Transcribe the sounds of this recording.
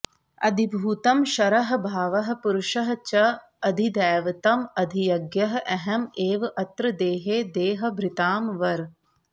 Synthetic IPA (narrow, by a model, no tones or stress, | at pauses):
ɐd̪ʱibʱuːt̪ɐmʃɐɾɐɦɐ̆bʱaːʋɐɦɐ̆puɾuʃɐɦɐ̆t͡ʃɐ | ɐd̪ʱid̪ɛːʋɐt̪ɐmɐd̪ʱijɐɡjɐɦɐʔɛɦɐmeːʋɐʔɐt̪ɾɐd̪eːɦeːd̪eːɦɐ̆bʱɾɪt̪aːmʋɐɾ